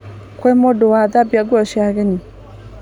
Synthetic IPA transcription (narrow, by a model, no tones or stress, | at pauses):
kwɛmodowaðabiaɡwɔʃiaɣeni